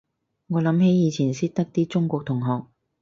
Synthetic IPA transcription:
ŋɔː˨˧lɐ˨˥mɦe˨˥jjiː˨˧t͡sʰiː˨˩nsiː˥t̚t̪ɐ˥k̚t̪iː˥t͡sʊ˥ŋkʷɔː˧k̚t̪ʰʊ˨˩ŋɦɔː˨k̚

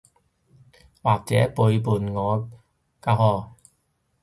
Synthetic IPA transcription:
waː˨˩k̚t͡sɛː˨˥pu˨˧jp̬uː˨˩nŋɔː˨˧ | kaː˧hɔː˧˩

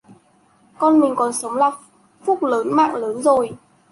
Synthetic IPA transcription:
kɔ˧nmï˨˩ŋ̟kɔ˨˩nsə˨˦wŋ͡mlaː˨˩ | fu˦˥k͡p̚ləː˨˦nma̰ː˧˨ŋləː˨˦nzo˨˩j

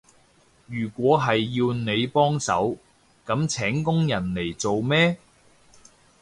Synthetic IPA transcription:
jyː˨˩kʷɔː˨˥ɦɐ˨jːiː˧wne˨˧jpɔː˥ŋsɐ̰˨˥w | kɐ˨˥mt͡sʰɛː˨˥ŋkʊ˥ŋjɐ˨˩nle˨˩jt͡so˨wmɛː˥

